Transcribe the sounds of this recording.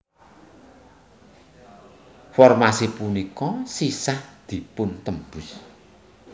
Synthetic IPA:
fɔrmasipunikɔsisahd̪̥i̤pʊnt̪əmbus

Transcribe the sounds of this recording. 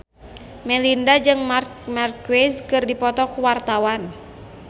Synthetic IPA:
mɛlindad͡ʒɨŋmarkmarkuwɛzkɨrdipɔt̪ɔkuwart̪awan

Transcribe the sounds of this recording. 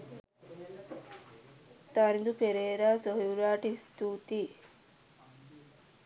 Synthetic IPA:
t̪aɾind̪upeɾeːɾaːsoɦijuɾaːʈist̪uːt̪iː

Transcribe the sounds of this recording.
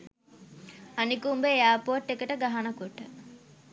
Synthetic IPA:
anikumbeeaːpoʈːekəʈəɡaɦanɐkoʈə

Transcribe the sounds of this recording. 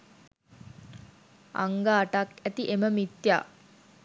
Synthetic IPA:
a̰ŋɡaːʈakæt̪iʔeməmit̪ja̰ː

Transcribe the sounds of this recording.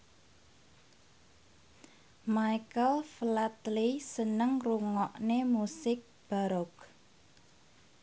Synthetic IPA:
majkəlflat̪lisənəŋruŋɔʔnemusɪk̚b̥aɾɔk

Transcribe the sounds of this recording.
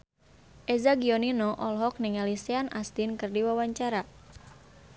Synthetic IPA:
ʔezaɡiɔninɔʔɔlɦɔk̚nɪŋaliseanʔast̪inkɨrdiwawaɲt͡ʃaɾa

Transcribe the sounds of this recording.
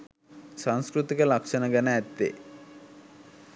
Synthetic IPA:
sɐnskɾut̪ikɐlɐkʂɐnɐɡɐneɛt̪ːḛ

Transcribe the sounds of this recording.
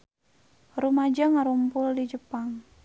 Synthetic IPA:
rumad͡ʒaŋaɾumpʊldid͡ʒəpaŋ

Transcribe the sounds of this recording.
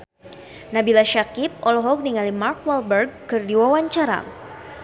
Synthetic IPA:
nabilaʃakip̚ɔlɔɦɔk̚niŋalimarkwɛlbərɡ̚kɨrdiwawaɲt͡ʃaɾa̰

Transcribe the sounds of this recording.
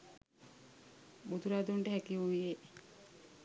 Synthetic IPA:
bud̪uɾad̪uɳʈəɦækiuʋie

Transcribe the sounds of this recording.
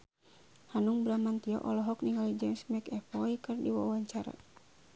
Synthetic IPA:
hanuŋbɾamant̪iɔ̰ʔɔlɔɦɔk̚niŋɡalid͡ʒɛmsmɛkɛfɔjkɨrdiwa̰waɲt͡ʃaɾa̰

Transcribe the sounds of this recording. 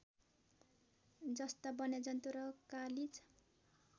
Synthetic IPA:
d͡zʌst̪ʌbʌnjad͡zʌnt̪uɾʌkalid͡z

